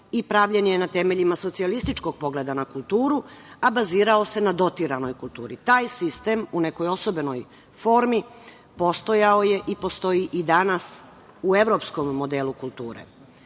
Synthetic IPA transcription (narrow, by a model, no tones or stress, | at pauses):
ipɾaʋʎenjenat̪e̞me̞ʎimasot̪sialist̪it͡ʃko̞ɡ̥̚po̞ɡle̞d̪anakulˠt̪uːɾuabaziːɾao̞se̞nad̪o̞t̪iɾano̞jkulˠt̪ṵːɾit̪aːjsist̪e̞mune̞ko̞jo̞so̞be̞no̞j | fo̞ːɾmi | po̞st̪o̞jaoje̞ʔipo̞st̪o̞iʔid̪anas | ue̞ʋɾo̞psko̞mːo̞d̪eːlukulˠt̪ṵːɾḛ